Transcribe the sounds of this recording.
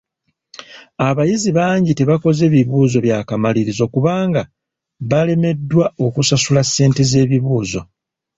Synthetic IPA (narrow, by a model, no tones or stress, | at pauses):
aβajiziβaːɲɟite̞βako̞ze̞ːβiβuːzo̞βjaːkamaliɾizo̞kuβaːŋɡa | βale̞me̞dːwao̞kusasulasːe̞ːnte̞ze̞ːβiβuːzo̞